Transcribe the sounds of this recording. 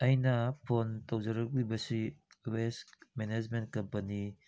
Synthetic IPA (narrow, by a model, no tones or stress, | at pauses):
ɐjnɐpʰontowd͡ʒɐɾɐk̚libɐsi | wesmened͡ʒment̚kɐmpɐni